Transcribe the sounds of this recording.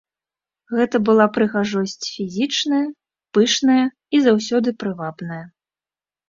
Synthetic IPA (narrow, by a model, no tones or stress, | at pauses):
ɣɛt̪ɐbɨlˠapɾɨɣaʐɔsʲt͡sʲfʲizʲit͡ʂnɐjɐ | pɨʂnɐjɐ | izawsʲɔd̪ɨpɾɨvabnɐjɐ